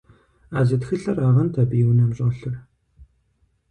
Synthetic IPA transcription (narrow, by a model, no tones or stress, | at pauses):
aːzɨtxɨɬɐraːʁɐntʰɐbiːwnɐmɕʼɐɬɨr